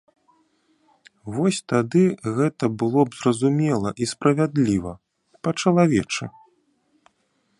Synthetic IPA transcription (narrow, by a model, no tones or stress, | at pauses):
vɔsʲt̪ad̪ɨɣɛt̪ɐbɨlˠɔbzrɐzumʲɛlˠɐʔispɾɐvʲad̪lʲivɐ | pɐt͡ʂɐlˠavʲɛt͡ʂɨ